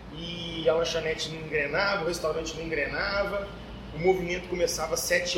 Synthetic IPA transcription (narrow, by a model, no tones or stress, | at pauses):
ɪalɐ̃ʃɐnɛt͡ʃɪnɐ̃ĩɡɾenavɐʊhest̪awɾɐ̃t͡ʃɪnɐ̃ĩɡɾenavɐ | ʊmovimẽnt̪ʊ̥komesavɐsɛt͡ʃɪ